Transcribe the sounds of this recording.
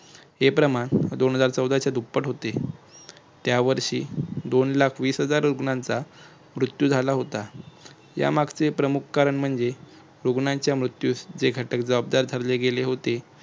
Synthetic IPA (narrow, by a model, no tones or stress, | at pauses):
ɦepɾəmaɳd̪onɦəd͡zaɾt͡səwd̪ʱat͡ɕjad̪ʱupːəʈɦot̪e | t̪jaʋəɾɕiːd̪onlakʰʋiːsɦəd͡zaɾɾuɡɳãnt͡sa | mɾut̪jud͡zʱalaɦot̪a | ja̰maɡt͡sepɾəmukʰkaɾəɳm̤əɳd͡ze | ɾuɡnãɲt͡ɕjamɾut̪juːsd͡zeɡʱəʈək̚d͡zəʋab̚d̪aɾd̪ʱəɾleɡeleɦot̪e